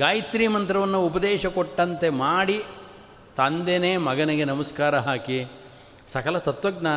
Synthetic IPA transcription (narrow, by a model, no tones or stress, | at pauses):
ɡaːjit̪ɾiːmɐnt̪ɾɐʋɐnːuupɐd̪eːʃɐkoʈːɐnt̪e̞maːɽi | t̪ɐnd̪eneːmɐɡɐniɡenɐmɐskaːɾɐɦaːki | sɐkɐlɐt̪ɐt̪ʋɐɡnaː